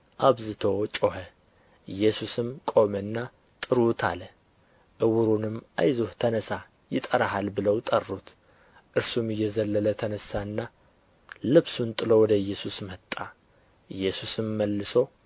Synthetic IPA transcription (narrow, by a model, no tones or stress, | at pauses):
ʔaβzɨt̪ʰo̞t͡ʃʼo̞hə | ɨjːɛsusɨmkʼo̞mənːa | t̪ʼɨɾut̪ʰa̰lə | ʔɨwʊɾunɨma̰jzuht̪ʰənəsa | jɪt̪ʼəɾaɦalbɨləwt̪ʼərːut̪ | ʔɨɾsumɨjːɛzəlːələt̪ʰənəsːaɨnːa | lɨβsunt̪ʼɨlo̞wɔd̪əɨjːɛsusmət̪ʼːa | ɨjːɛsusɨmːəlːɨso̞